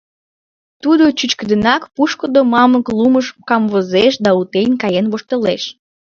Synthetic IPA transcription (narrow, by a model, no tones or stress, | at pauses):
t̪ud̪ot͡ɕyt͡ɕkəd̪ənɑkpuʃkod̪omɑməkluməʃkɑmvozeʃd̪ɑut̪enʲkɑjenβoʃt̪əleʃ